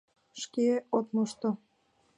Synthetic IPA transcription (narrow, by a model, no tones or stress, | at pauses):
ʃkeot̪moʃt̪o